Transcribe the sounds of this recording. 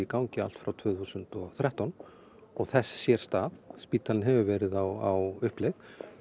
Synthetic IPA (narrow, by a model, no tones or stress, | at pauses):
ikawɲcɪa̰l̥t̪fɾawt̪ʰv̥ʏːθuːsʏnt̪ɔθɾjaht̪ɔn | ɔɣθɛssjɛɾ̥st̪aːðspiːt̪ːalnɦɛvʏvɛːɾɪðawawʏhplɛjð